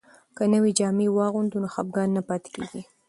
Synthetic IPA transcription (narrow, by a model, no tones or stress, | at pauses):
kənəwid͡ʒɑmewɑɣund̪unoxa̰b̚ɡɑnːapɑt̪e̥keɡi